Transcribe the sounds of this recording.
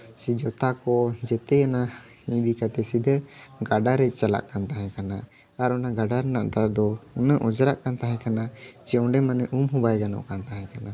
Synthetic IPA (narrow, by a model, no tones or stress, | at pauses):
sid͡ʒɔt̪akɔd͡ʒɛt̪ɛjana | ĩd̪ikat̪ɛsid̪əɡaɖaɾɛc̚ˀt͡ʃala̰ʔkant̪aɦɛ̃kana | aɾɔnaɡaɖaɾɛnaʔt̪ad̪ɔunaʔɔd͡ʒɾaʔkant̪aɦɛ̃kanat͡ʃɛɔ̃ɖɛmanɛʔumɦũbajɡanɔ̰ʔkant̪aɦɛ̃kana